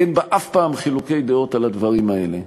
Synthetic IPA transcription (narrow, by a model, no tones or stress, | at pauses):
enbaʔafpaːmχilukejd̪eo̞t̪alad̪vaʁimae̞le